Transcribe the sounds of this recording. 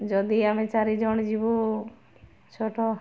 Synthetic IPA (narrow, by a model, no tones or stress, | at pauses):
d͡ʒɔd̪iamẽt͡ʃaɾid͡ʒɔɳ̃d͡ʒibu | t͡ʃʰoʈʰɔ